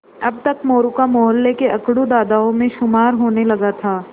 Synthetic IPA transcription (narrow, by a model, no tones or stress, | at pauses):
ɐb̚t̪ɐkmoːɾukamɔɦəlːekeʔɐkɽud̪aːd̪aõmẽʃʊmaːɾɦoːnelɐɡat̪ʰaː